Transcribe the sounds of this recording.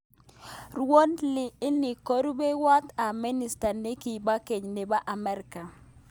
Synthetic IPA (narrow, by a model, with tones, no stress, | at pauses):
rwo˦nlɪ˨ɪ˦nɪ˨ko˦ɾu˦be˦wa˦t̪a˨mɪ˦nɪ˨sta˨ne˦ki˨ba˦ke˨ɲnɪ˨ba˦ʔa˨mɛ˨˦ɾɪka˨